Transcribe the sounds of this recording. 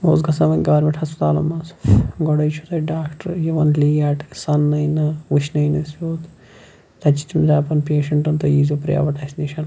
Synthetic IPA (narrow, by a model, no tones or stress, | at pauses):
oːzɡɐsɐʋɐnʲɡɐʋɐɾmʲeɳʈhɐspɐt̪a̰ːlɐ̰mːɐːsɡɔɽɐjt͡ʃʰu̥t̪ɐɖaːkʈɐɾjɐʋɐnliːaːʈksɐnːɐjnɨʋuʃnɐjnɐsjʲoːt̪ | t̪ɐt͡ʃi̥t̪imzaːpɐnpeːʃɐɳʈɐnt̪ɐjiːzopɾ̰ja̰ːʋɐʈaːsniːʃɐn